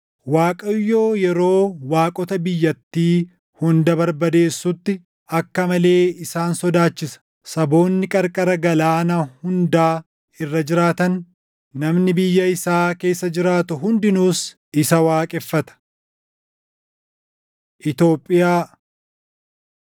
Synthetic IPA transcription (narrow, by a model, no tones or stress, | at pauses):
waːkʼɐjːoːjɛɾo̞ːwaːkʼɔt̪ɐbɪjːɐt̪ːiː | hʊnd̪ɐbɐɾbɐd̪e̞ːsːʊt̪ːɪ | ɐkːɐmɐle̞ːɪsaːnsɔd̪aːt͡ʃːɪsɐ̥ | sɐbo̞ːnːɪkʼɐɾkʼɐɾɐɡɐlaːnɐhʊnd̪aː | ɪrːɐd͡ʒɪɾaːt̪ɐn | nɐmnɪbɪjːɐɪsaːke̞ːsːɐd͡ʒɪɾaːt̪ʊɦʊnd̪ɪnuːs | ɪsɐwaːkʼɛfːɐt̪ɐ̥ | ʔɪt̪o̞ːpʼːɪjaː